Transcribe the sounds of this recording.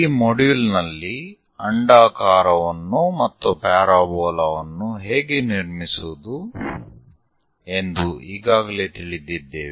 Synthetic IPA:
iːmoɖuːlnɐlːi | ɐɳɖaːkaːɾɐʋɐnːumɐt̪ːupaːɾaːbɔːlɐʋɐnːuɦe̞ːɡeniɾmisud̪u | e̞nd̪uiːɡaːɡɐle̞ːt̪iɭid̪id̪ːeːʋe

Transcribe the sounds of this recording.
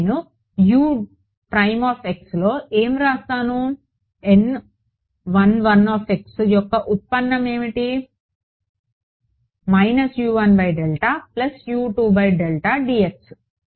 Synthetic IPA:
nu | juː | pɾɐjmaːpʰe̞kslo̞ːʔeːmɾaːst̪aːnu | en | ʋɐnʋɐnaːpʰe̞ksjɔkːɐʔut̪̚pɐnːɐme̞ːmiʈi | mɐjnɐsjuːʋɐnbɐjɖelʈɐplɐsjuːʈuːbɐjɖelʈɐɖiːeks

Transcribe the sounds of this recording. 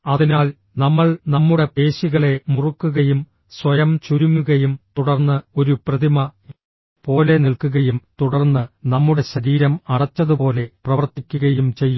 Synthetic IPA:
ɐðinaːl | nɐmːɐɭnɐmːuɽe̞pe̞ːɕiɣɐɭe̞murukːuɣɐjum | swɐjɐmt͡ɕuɾumːuɣɐjumt̪uɽɐrnːɨo̞ɾuprɐðimɐ | po̞ːle̞niɭkuɣɐjumt̪uɽɐrnːɨnɐmːuɽe̞ɕɐɾiːɾɐmɐɽɐt͡ɕːɐðupo̞ːle̞prɐʋɐrt̪ikʲːuɣɐjumt͡ɕe̞jːu

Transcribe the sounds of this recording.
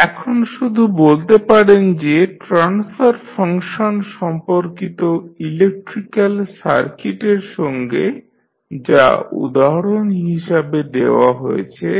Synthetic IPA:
ɛkʰonʃud̪ʱubolt̪epaɽend͡ʑeʈɾansfaɾfʰaŋʃonʃɔmpoɾkit̪oilek̚ʈɾikalsa̰ɾkiʈeɾʃɔŋɡe | d͡ʑa̰ṵd̪aɦaɽonɦiʃabed̪eoaɦojḛt͡ɕʰe

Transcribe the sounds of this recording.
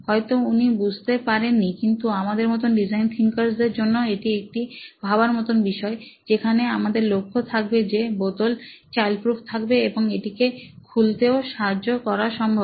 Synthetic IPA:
hɔet̪ounibud͡ʑʱt̪epaɾenːikint̪uamad̪eɾmɔt̪̬onɖid͡ʑajnt̪ʰiŋkaɾsd̪eɾd͡ʑonːoeʈiek̚ʈibʱaβaɾmɔt̪onbiʃɔed͡ʑekʰaneamad̪eɾlokʰːot̪ʰak̚bed͡ʑebot̪olt͡ɕalpɾufʰt̪ʰakbeeboŋeʈikekʰult̪eoʃad͡ʑokɔɾaʃɔmbʱob

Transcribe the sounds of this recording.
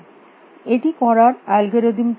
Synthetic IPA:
eʈikɔɾaɾalɡʱeɾod̪imt̪

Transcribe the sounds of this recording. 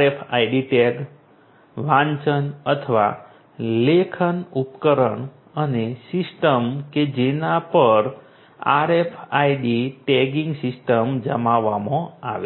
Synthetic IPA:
efʰaiɖiʈeɡ | ʋãɲt͡ʃənət̪ʰəʋa̰ | lekʰənupkəɾəɳ | ənesisʈəmked͡ʒenapəɾ | a̰ɾefʰajɖiʈɛɡĩŋɡsɪsʈəmd͡ʒəmaʋːamɔ̃aʋe

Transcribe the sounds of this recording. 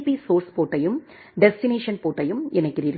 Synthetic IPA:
pisoːɾspoːʈːɐjɯm | ɖɛsʈɪneːʂɐnpoːʈːɐjɯmɛnɐɪkːɪɾiɾɯ

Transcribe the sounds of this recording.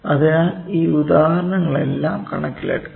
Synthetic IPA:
ɐðeiːud̪aːhɾɐɳɐŋːɐɭe̞̰lːaːmkɐɳɐkːilḛʈː

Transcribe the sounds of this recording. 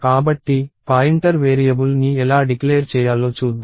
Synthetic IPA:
kaːbɐʈːipaːjiɳʈɐɾʋeːɾijɐbulniɛlaːɖikleːɾt͡ʃɛːjaːlo̞ːt͡ʃuːd̪ːu

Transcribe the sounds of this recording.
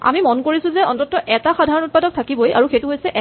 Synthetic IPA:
a̰mimɔnkoɹisʊ̃zɛɔntɔtːɔʔɛtaxadʱaɹɔnut̚padɔk̚tʰakibojʔa̰ɹuxejtuɦojsɛʔɛ

